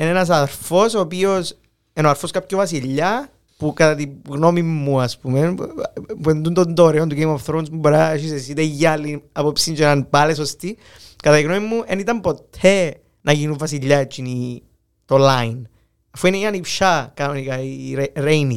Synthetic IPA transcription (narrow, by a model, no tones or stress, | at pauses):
enenɐs̬ɐɾfo̞sopios | enoɐɾfoskap̚covɐsiʎːa | pukɐt̪at̪iɣno̞mimːuɐspumenpend̪unt̪ond̪oɾeont̪uɡejmofθɾonzmuboɾaʃisesit̪ejːaliɐpopsint͡ʃenɐnpales̬o̞st̪i | kɐt̪aiɣnomimːuʔenit̪ɐmpo̞t̪ʰe | nʔɐʝinuɱvɐsiʎːaet͡ʃːini | t̪olɐjn | ɐfueneiɐnipʃakɐonikaiɾejnis